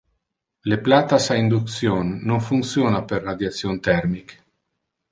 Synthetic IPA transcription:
leplat̪asaind̪uk̪sjonːoŋfunt̪sjoːnaperːad̪jat̪sjont̪ɛrmik

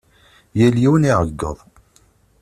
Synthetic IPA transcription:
jæljiwəniʕəɡːə̰ðˤ

